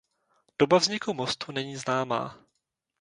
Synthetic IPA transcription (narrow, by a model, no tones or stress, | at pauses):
d̥obavzɲɪkumost̪unɛɲiːznaːma̰ː